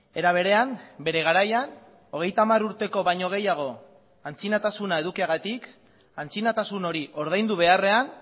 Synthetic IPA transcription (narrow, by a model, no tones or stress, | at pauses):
e̞ɾaβ̞e̞ɾe̞ambe̞ɾe̞ɣ̞aɾajan | o̞ɣ̞e̞jt̪amaruɾt̪e̞ko̞βaɲo̞ɣ̞e̞jaɣ̞o̞ | ant͡sinat̪asunae̞ðukiaɣat̪ik | ant͡sinat̪asuno̞ɾiʔo̞ɾð̞ajnd̪uβ̞e̞are̞an